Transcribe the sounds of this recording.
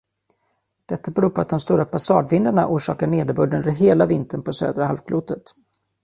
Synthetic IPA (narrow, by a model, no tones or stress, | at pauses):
d̪̥ɛt̪ːabɛɾuːɾpʰɔat̪̚d̪ɔmst̪uːɾappʰːasɑːd̪vɪnd̪əɳaʔuːʂɑ̰ːkaɳeːd̪əbɵd̪ːənvəɾɦeːlavɪnt̪ʰənpʰɔsø̰ːd̪ɾaɦalvkʰluːt̪ət̪